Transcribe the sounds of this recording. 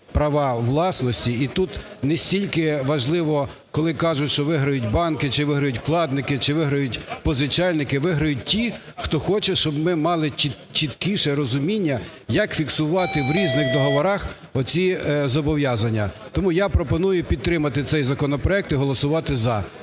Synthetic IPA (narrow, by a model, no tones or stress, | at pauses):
pɾɐʋɑʋlˠɑsnɔsʲtʲiit̪ut̪nesʲtʲilʲkɪʋɐʒlˠɪʋɔkɔlˠɪkɑʒʊtʲʃt͡ʃɔʋɪɦɾɐjʊtʲbɑnkɪt͡ʃɪʋɪɦɾɐjʊtʲklˠɑd̪nɪkɪt͡ʃɪʋɪɦɾɐjʊtʲpɔzɪt͡ʃɑlʲnɪkɪʋɪɦɾɐjʊt̚ʲtʲixt̪ɔxɔt͡ʃɛʃt͡ʃɔbmɪmɑlˠɪt͡ʃi | t͡ʃit̪kiʃɛɾɔzʊmʲinʲːɐ | jɐkfʲiksʊʋɑt̪ɪʋɾʲiznɪxd̪ɔɦɔʋɔɾɑx | ɔt͡sʲizɔbɔʋʲjɑzɐnʲːɐ | t̪ɔmujapɾɔpɔnujʊpʲid̪̚t̪ɾɪmɐt̪ɪt̪sɛjzɐkɔnɔpɾɔɛk̚t̪iɦɔlˠɔsʊʋɑt̪ɪzɐ